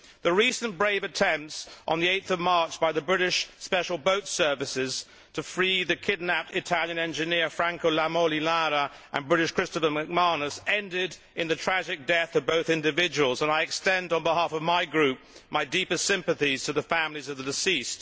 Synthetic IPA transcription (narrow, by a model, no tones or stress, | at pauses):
ðɨɹisɨ̃nb̥ɹeɪvɨtʰɛ̃mp̚tsʔn̩ðieɪt̪̚θʌvmɑɹt͡ʃb̥aɪðɨbɹɪɾɨʃspɛʃl̩ˠboʊtsɜ˞vɨsɪz̥ | tʰɨfɹiðɨkʰɪdⁿnæpɨtʰælˠjɨ̃nɛ̃nd͡ʒɨnɪɹfɹæ̃ŋkoʊlæmolilaɾə | ʔə̰̃nbɹɪɾɨʃkʰɹ̥ɪstələmɨk̚mɑɹnɨsɛ̃ndɪɾ | ɨ̃nðɨtʰɹ̥æd͡ʒɨk̚d̥ɛθʌvboʊθɪ̃ndɨvɪd͡ʒɨwl̩ˠzə̃naɪɨkstɛ̃ndn̩bəɦæfʌvmaɪɡɹʉp̚maɪdipɨstsɪ̃mpɨθiz̥tʰɨðɨfæ̃mlizʌvðɨdɨsist